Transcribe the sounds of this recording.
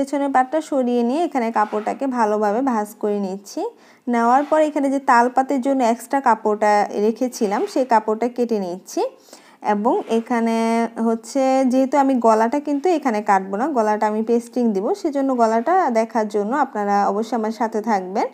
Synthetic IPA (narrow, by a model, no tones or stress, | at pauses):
et͡ɕʰonepaʈːaʃoɾienijeekʰanekapoɾʈakebʱalobʱabebʱaskoɾenit͡ɕʰi | naoaɾpɔɾekʰaned͡ʑet̪alpat̪eɾd͡ʑonːoɛksʈɾakapoʈaɾekʰet͡ɕʰilamʃejkapoʈakeʈinit͡ɕʰi | ḛboŋekʰaneɦotːɕʰed͡ʑeɦet̪uamiɡɔlaʈakint̪uekʰanekaʈ̚bonaɡɔlaʈaamipesʈiŋd̪iboʃed͡ʑonːoɡɔlaʈad̪ɛkʰaɾd͡ʑonːoapnaɾaɔ̰boʃːojamaɾʃat̪ʰet̪ʰak̚ben